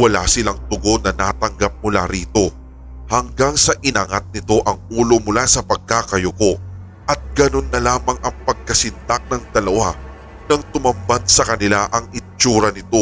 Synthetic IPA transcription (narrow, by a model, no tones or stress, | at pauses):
wɐla̰sɪlaŋt̪ʊɡo̞nɐnaːt̪ɐŋɡap̚mʊla̰ɾiːt̪o̞ | hɐŋɡaŋsɐʔɪnaŋat̪̚nɪt̪o̞ʔɐŋuːlo̞mʊlasɐpɐɡ̚kakɐjoko̞ | ʔɐt̪̚ɡ̥ɐno̞nːɐlaːmɐŋʔɐŋpɐɡ̚kɐsɪnt̪ak̚nɐŋd̪ɐlɐwa | nɐŋt̪ʊmɐmbad̪sɐkɐnɪlaʔɐŋɪt͡ʃuːɾɐnɪt̪o̞